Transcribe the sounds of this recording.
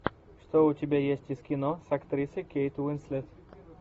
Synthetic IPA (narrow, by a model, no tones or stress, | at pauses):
ʂt̪oʊtʲɪbʲajesʲtʲɪskʲɪnosɐkt̪ɾʲisɨkʲejt̪wɪnsʲlʲɛt̪